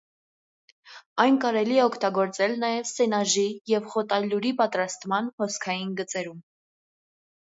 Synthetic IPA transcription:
ɑjnkɑɾɛliɛɔkʰt̪ɑɡɔɾt͡sɛlnɑjɛvsɛnɑʒijɛvχɔt̪ɑlːuɾipɑt̪ɾɑst̪mɑnhɔskʰɑjinɡət͡sɛɾum

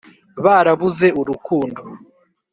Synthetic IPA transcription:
βaːɾaβuze̞uɾukuːndo

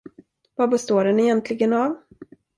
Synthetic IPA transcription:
vabɛst̪oːɖɛnɛjɛnt̪ʰlɪɡənav

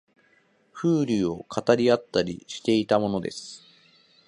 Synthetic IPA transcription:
ɸɯ̟ːɾʲio̞kʰat̪aɾʲiat̪ːaɾʲḭɕi̥t̪e̞it̪amo̞no̞d̪e̞̰sɨ̥

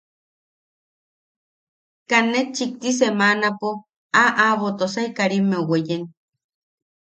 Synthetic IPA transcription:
kanːet͡ʃik̚t̪is̬emanapo | aʔaβot̪osajkaɾimːewejen

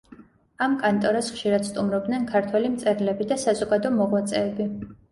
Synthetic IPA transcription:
amkʼant̪ʼɔɾasχʃiɾad̪̥st̪ʼumɾɔb̚d̪nɛnkʰaɾt̪ʰwɛlimt̪sʼɛɾlɛbid̪asazɔɡad̪ɔmɔʁlat̪sʼɛːbi

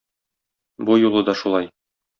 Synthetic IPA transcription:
bujulˠɤd̪ɒʃulˠɑj

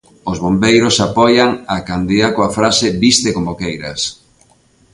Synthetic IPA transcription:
ozβombejɾosapɔjaŋakand̪iðakoafɾaseβist̪ekomokejɾɐ̰s

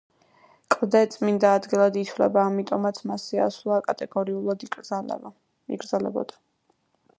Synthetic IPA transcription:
kʼvd̪ɛt̪sʼmind̪aːd̪ɡilˠad̪it̪ʰwlɛ̰baːmit̪ʼɔmat̪sʰmasia̰slˠakʼat̪ʼɛɡ̥ɔɾiulˠad̪ | ḭɡɾd̪zalɛ̰bɔ̰d̪ḁ

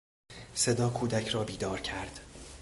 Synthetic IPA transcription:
se̞d̪ɒːkʰuːd̪æcʰɾɒːbiːd̪ɒːɾcʰæɾd̪̥

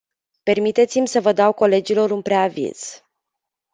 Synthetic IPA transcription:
pe̞rmit̪e̞t̪simʲsəvəd̪awko̞le̞d͡ʒilo̞ɾunpɾeavḭz̥

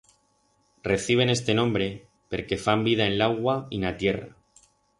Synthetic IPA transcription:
re̞θiβ̞e̞ne̞st̪e̞nõmbɾe̞ | pe̞ɾke̞fambið̞ae̞nlaɣwainat̪je̞ra̰

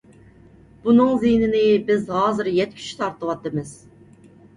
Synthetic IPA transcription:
b̥unɨŋzijnɪnɪbɪzɦɑːzɨɾjɛt̪̚kʲʰy̥t͡ʃʰy̥t̪ʰɑɾt̪əwɑt̪ːɨmɨz̥

